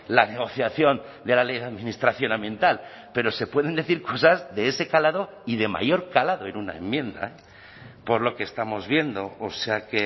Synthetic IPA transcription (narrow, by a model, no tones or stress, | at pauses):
laneɣ̞o̞θjaθjo̞nd̪e̞lale̞jðeaðmĩnist̪ɾaθjo̞nãmbje̞nt̪al | pe̞ɾo̞se̞pwe̞ð̞e̞nd̪e̞θiɾko̞sazðe̞ese̞kalaðo̞ | ið̞e̞ma̰jo̞ɾkalaðo̞e̞nuna̰e̞mːjẽ̞nd̪a̰ | po̞ɾlo̞keːst̪amo̞zβje̞nd̪o̞oseake